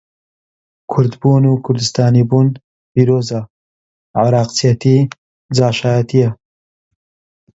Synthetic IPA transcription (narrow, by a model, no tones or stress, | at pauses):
kʰʊɾd̪buːnukʰʊɾd̪ɨst̪aːniːbuːn | piːɾoːza | ʕaɾɑːqt͡sijɐt̪iː | d͡zaːʃaːjɐt̪ʰijɐ